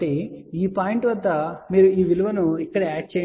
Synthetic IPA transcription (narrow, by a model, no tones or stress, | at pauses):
eːiːpaːjiɳʈʋɐd̪ːɐmiːɾuiːʋiluʋɐnuikːɐɽɐɛːʈ̚t͡ʃeː